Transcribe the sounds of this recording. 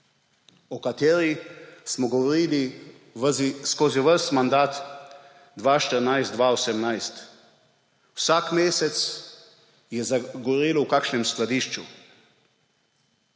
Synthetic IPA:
ɔkat̪eːɾismɔɡɔʋɔɾiːli | ʋziskoːziʋəɾst̪mand̪aːt̪ | d̪ʋaːʃt̪əɾnajst̪d̪ʋaosɛmnajst̪ | wsakmeːsɛt̪s | jɛzaɡɔʋɔɾiːlɔwkakʃnɛmsklad̪iːʃt͡ʃṵ

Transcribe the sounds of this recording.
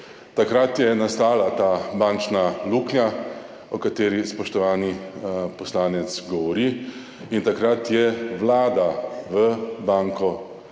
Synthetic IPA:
t̪akɾat̪jɛnast̪aːlat̪aːbaːnt͡ʃnaluːknja | ɔkat̪eːɾispɔʃt̪ɔʋaːnipɔslaːnɛt̪sɡɔʋɔɾi | int̪akɾat̪jɛʋlaːd̪aʋəbaŋkɔ

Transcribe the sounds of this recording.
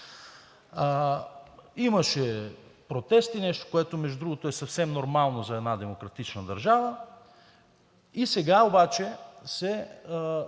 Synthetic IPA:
imɐʃɛpɾot̪ɛst̪inɛʃt̪o̥koɛt̪omɛʒud̪ɾuɡot̪oɛsɐfsɛmnoɾmalˠnozɐɛd̪nad̪ɛmokɾɐt̪it͡ʃnɐd̪ɐ̰ɾʒavə | isɛɡaobat͡ʃɛsɛ

